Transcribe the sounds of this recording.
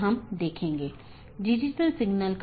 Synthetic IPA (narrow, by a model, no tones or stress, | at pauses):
ɦɐmd̪eːkʰẽːŋɡeː | ɖɪd͡ʒɪʈəlsɪɡnəlk